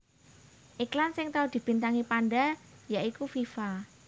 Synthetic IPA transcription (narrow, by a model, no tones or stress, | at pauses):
ʔiklansɪŋt̪aud̪̥i̤b̥i̤nt̪aŋipanɖajaʔikufifa